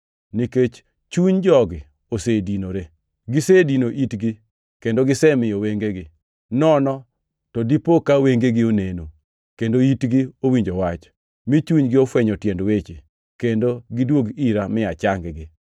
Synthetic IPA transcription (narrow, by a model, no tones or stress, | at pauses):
niket͡ʃ | t͡ʃuɲd͡ʒɔɡɪ | osedinoɾe | ɡɪsedinoʔitɡɪ | kendoɡɪsɛmɪjɔweŋɡeɡɪ | nɔnɔ | tɔdipokaweŋɡeɡɪoneno | kendoitɡɪowiɲd͡ʒowat͡ʃ | mit͡ʃuɲɡɪofwɛɲɔtjendwet͡ʃe | kendoɡɪdwoɡiɾamɪat͡ʃaŋɡɡɪ